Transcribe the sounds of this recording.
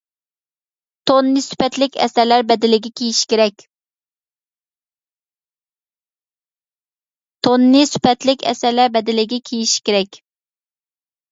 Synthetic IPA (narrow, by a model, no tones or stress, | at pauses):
t̪ʰonːɨsy̥pɛt̪lɪkʲɛ̰sæɾlæɾbɛd̪ɪlɪɡʲɛkʲʰejiʃkʲeɾɛkʲ | t̪ʰonːɨsy̥pʰɛt̪lɪkʲɛ̰sæɾlæɾbɛd̪ɪlɪɡʲɛkʲʰejiʃi̥kʲeɾɛkʲ